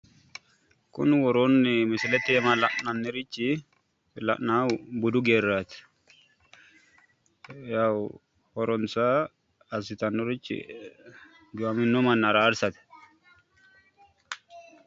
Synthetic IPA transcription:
kʊ̰nwɔɾonːɪmɪsɪlɛt̪eːmɐlɐʔnɐnːɪɾɪt͡ʃːɪ | lɐ̰ʔnabʊd̪ʊɡeːrːat̪ɪ̥ | jaw | hɔɾɔnsaː | sɪt̪ɐnːɔɾɪt͡ʃːɪ̰ | ɡʊwɐmɪnːɔmɐnːɐɾaːɾsɐt̪ɛ̥

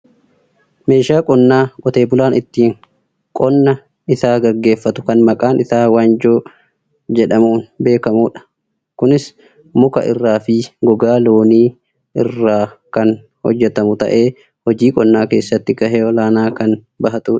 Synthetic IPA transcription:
me̞ːʃaːkʼɔnːaːkʼɔt̪e̞ːbʊlaːnɪt̪ːiːŋ | kʼɔnːɐ | ɪsaːɡɐɾɡe̞ːfːɐt̪ʊ̥kɐnmɐkʼaːnɪsaːwaːnd͡ʒoː | d͡ʒɛᶑɐmuːnbe̞ːkɐmuːᶑɐ̥ | kʊnɪs | mʊkɐ̰ʔɪ̰rːaːfɪɡɔɡaːloːniː | ɪrːaːkɐn | hɔ̰d͡ʒːɛt̪ɐmʊt̪ɐ̰ʔe̞ː | hɔd͡ʒiːkʼɔnːaːke̞ːsːɐt̪ːɪkɐheːɔlaːnaːkɐn | bɐɦɐt̪uːᶑɐ̥

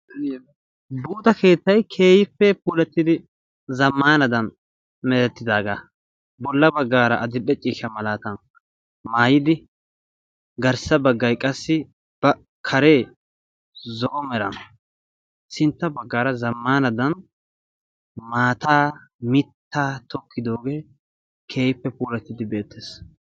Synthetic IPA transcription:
buːt̪ɐke̞ːt̪ːɐjkʰe̞ːjɪfːɛpuːlɛt̪ːɪd̪ɪ | zɐmːaːnɐd̪ɐn | mɛɾɛt̪ːɪd̪aːɡa̰ː | bɔlːɐbɐɡːaːɾɐʔɐd̪ɪɗɛt͡ʃʼiːʃɐmɐlaːt̪ɐn | maːjɪd̪ɪ | ɡɐɾsɐbɐɡːɐjkʼɐsːɪ | b̥ɐ | kʰɐɾeː | zoːmɛɾɐ̰n | sɪnt̪ːɐbɐɡːaːɾɐzɐmːaːnɐd̪ɐn | maːt̪aːmɪt̪ʰːaːt̪ɔkːɪd̪o̞ːɡe̞ː | kʰe̞ːjpːɛpuːlɛt̪ːɪd̪ɪbe̞ːt̪ʰːeːs

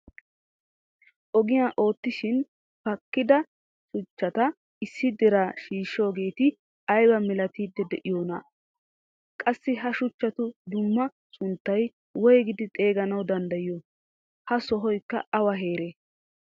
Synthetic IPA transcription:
ʔɔɡɪjaːʔo̞ːt̪ːɪʃɪn | pɐkːɪd̪ɐ | ʃʊt͡ʃːɐt̪ɐ | ɪsːɪd̪ɛɾaʃiːʃːo̞ːɡe̞ːt̪ɪ | ɐjbɐmɛlɐt̪iːd̪ːɛd̪ɛʔɪjo̞ːnɐ̰ | kʼɐsːɪɦɐʃʊt͡ʃːɐt̪ʊd̪ʊmːɐ | sʊnt̪ːɐj | wɔjɡɪd̪ɪt̪ʼe̞ːɡɐnɐwd̪ɐnd̪ɐjɪjo | hɐsɔɦɔjkːɐ̰ɐwɐɦe̞ːɾeː

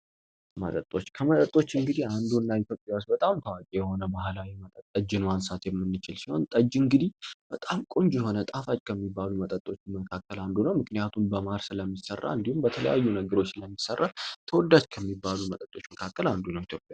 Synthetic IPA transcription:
mət̪ʼət̪ʼːo̞t͡ʃːkʰəmət̪ʼət̪ʼːo̞t͡ʃːɨŋɡɨd̪ihand̪unːaɪt̪ʰjo̞pʼːjawost̪bət̪ʼamk̪ʰəwakʲʼijɛho̞nəbahlawimət̪ʼət̪ʼːəd͡ʒːɨnwansat̪jɛmːɨnːɨt͡ʃɪlsiho̞̰nt̪ʼəd͡ʒːɨŋɡɨd̪ihb̥ət̪ʼamkʼoɲd͡ʒɛɦo̞nət̪ʼafat͡ʃkʰəmːibːalumət̪ʼət̪ʼːo̞t͡ʃːməkʰakːəland̪unəwmɨknijat̪ʰumbəmaɾsɨləmːisərːa̰ɨnd̪ihumbət̪ʰələ̰ja̰jːunəɡəɾo̞t͡ʃːsləmːisərːʔat̪ʰəwɔd̪ːad͡ʒkʰəmːibːalumət̪ʼət̪ʼːo̞t͡ʃːməkʰakʰːəland̪unəwjit̪ʰjo̞pʼːja

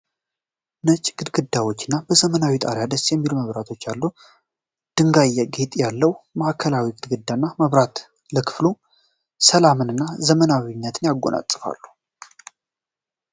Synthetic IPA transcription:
nət͡ʃʼɡ̥ɨd̪ɡɨd̪ːawo̞t͡ʃːɨnːabəzəmənawit̪ʼa̰ɾjad̪əsjɛmːiluməβɾat̪ʰo̞t͡ʃːalːu | d̪̥ɨŋɡajɛɡet̪ʼjalːəwməʔkʰəlawiɡɨd̪ɡɨd̪ːanːaməβɾat̪ | ləkʰɨ̥flu | səlamɨnɨnːazəmənawinːət̪ʰɨnjaɡːona̰t͡sʼɨfa̰lːu̥

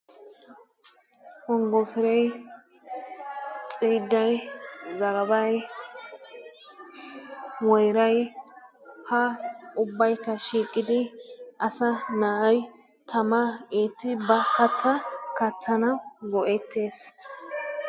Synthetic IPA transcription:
hɔŋɡɔfɪɾɛj | t͡sʼiːd̪ːɐjzɐɡɐbɐj | wɔjɾɐj | hɐʊbːɐjkːɐʃiːkʼːɪd̪ɪʔɐsɐnaːʔɐj | t̪ʰɐmɐeːt̪ːɪbɐkɐt̪ːɐkɐt̪ːɐnɐɡɔʔɛt̪ːeːs

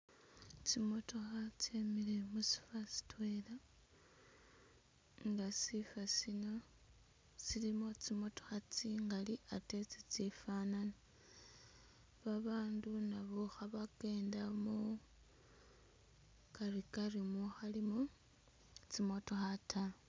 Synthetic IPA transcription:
t͡simo̞to̞xat͡semile̞musi̥fasi̥twela | ŋɡasifasino̞ | silimot͡simo̞to̞̥xat͡siŋɡaliʔate̞t͡sit͡sifanana | βaβaːndunaβoxaβake̞ːndamo | kaɾikarimoxalimo | t͡simo̞to̞xata

